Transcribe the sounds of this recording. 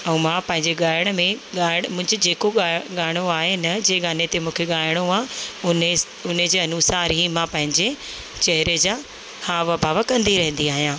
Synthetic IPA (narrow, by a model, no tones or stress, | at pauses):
ɛ̃ũːmãːpɐ̃ɦɪ̃ɲd͡ʑeɠaːɪɽ̃mẽɠaːɽ̃mʊ̃ɪ̃ɲd͡ʑed͡ʑeːkoɠaːɪɽ̃oaːɦenɐd͡ʑeːɡaːnet̪emũːkʰeɠaːɪɽ̃oãʊn | ʊned͡ʑeːɐnuːsaːɾɦimãpɐ̃ɦɪ̃ɲd͡ʑe | t͡ɕɐɦɪɾed͡ʑaː | haːʋəbʱaːʋəkɐ̃nd̪iɾɐɦɪ̃nd̪iaːɦijãː